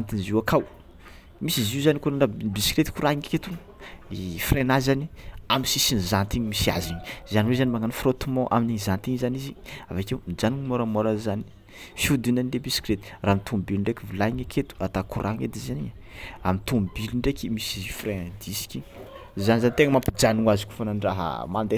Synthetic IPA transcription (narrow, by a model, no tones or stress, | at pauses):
ant̪inziwakʰaw | misiziuzanikuɾanabiskɾet̪i̥kuɾaiŋaket̪uŋ | ifrenazaniamisisinizant̪iɲmisia̰ziɲi̥zaniwezanimaŋanfrot̪umɔ̃ʔa̰minizant̪iɲizaniziavakewmid͡ʒaniɲmoɾamoɾazani̥ | fjud̪unanilebiskɾet̪i̥raːmit̪ʰumbiliɳɖ͡ʐekʲivilaiɲakʰet̪u̥at̪akuɾʔaŋed̪izani | amint̪umbiliɳɖ͡ʐekimisifreãd̪isi̥kʲi | zanizanit̪eŋəmampid͡ʒaniŋazikʲu̥fananɖ͡ʐaɦə̰mand̪e